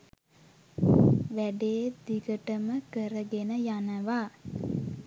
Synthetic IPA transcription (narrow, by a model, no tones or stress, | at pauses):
ʋæɖeːd̪iɡəʈəməkəɾəɡenəjanəʋa